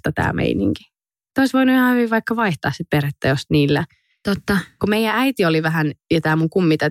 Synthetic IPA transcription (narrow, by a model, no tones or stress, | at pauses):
t̪ɑt̪æ̰ːmḛinḭŋki̥ | t̪oisʋoinujhɑːhyʋiʋʋɑikːɑʋɑiht̪ɑ̰ːssit̪̚peret̪ːæjost̪niːlːæ | t̪ot̪ːɑkumeijˑææit̪ioliʋæɦænjet̪ɑːmuŋkumːit̪ɑ